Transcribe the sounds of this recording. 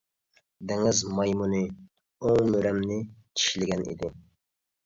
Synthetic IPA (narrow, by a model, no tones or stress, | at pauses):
d̪ɪŋɪzmɑjmunɨ | oŋmøɾɛmnɪt͡ʃʰi̥ʃlɪɡʲɛnḭd̪ɪ